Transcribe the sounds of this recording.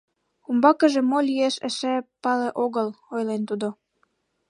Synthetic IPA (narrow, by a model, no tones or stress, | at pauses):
umbɑkə̆ʒĕmolʲieʃə̰ʃæpɑleʔoɣəlojlent̪ud̪o